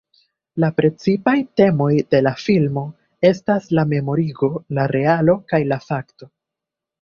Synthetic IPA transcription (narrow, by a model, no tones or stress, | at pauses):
lapɾe̞t͡sipajte̞mo̞jde̞lafilmo̞ | e̞staslame̞mo̞ɾiɡo̞laɾe̞alo̞kajlafakto̞